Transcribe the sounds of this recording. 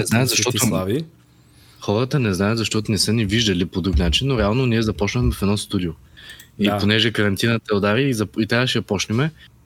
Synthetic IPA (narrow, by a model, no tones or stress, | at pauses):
nɛznajt̪zɐʃt̪ɔt̪o | xɔɾət̪ənɛznajət̪zɐʃt̪ɔt̪ʊnɛsəniviʒd̪ɐlipod̪ɾuknat͡ʃinːoɾɛalˠnoniɛzɐpɔt͡ʃnəxmɛfɛd̪nɔst̪ud̪ioiponɛʒɛkɐɾɐnt̪inət̪ɛod̪aɾizɐpit̪ɛkaʃɛɐpɔt͡ʃnʲɛmɛ